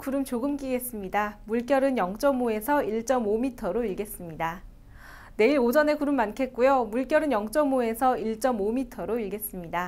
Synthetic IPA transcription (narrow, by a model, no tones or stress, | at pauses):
kuɾɯmt͡ɕoɡɯmk͈iɡe̞s͈ɯmɲidamuɭk͈jʌɾɯnjʌŋt͡ɕ͈ʌmoe̞sʰʌiɭt͡ɕ͈ʌmomitʰʌɾoiɭɡe̞s͈ɯmɲida | ne̞iɾod͡ʑʌne̞kuɾɯmːankʰe̞t̚k͈ujomuɭk͈jʌɾɯnjʌŋt͡ɕ͈ʌmoe̞sʰʌiɭt͡ɕ͈ʌmomitʰʌɾoiɭɡe̞s͈ɯmɲida